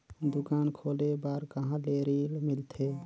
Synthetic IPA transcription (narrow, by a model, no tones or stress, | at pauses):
d̪ukaːnkʰoːlebaːɾkəɦãleɾilmilt̪ʰe